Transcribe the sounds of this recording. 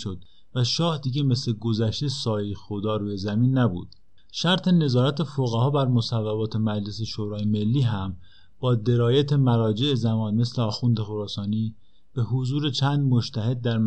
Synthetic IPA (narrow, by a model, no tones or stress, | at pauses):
ʃod̪̥ | bvæʃɒːhd̪iːɟe̞me̞sle̞ɡozæʃt̪esɒːjexod̪ɒːɾuːjezæmiːnːæbṵːd̪̥ | ʃæɾt̪ʰe̞ne̞zɒːɾæt̪ʰefoɣæɦɒːbæɾmosævːæbɒːt̪ʰe̞mæd͡ʒleseʃoːɾɒːjeme̞lːiːɦæm | b̥ɒːd̪e̞ɾɒːjæt̪ʰe̞mæɾɒːd͡ʒe̞ʔezæmɒːnme̞sleɒːxund̪exoɾɒːsɒːniː | b̥e̞hozuːɾe̞t͡ʃʰæːnd̪moʃt̪ʰæɦe̞d̪̚ːæɾm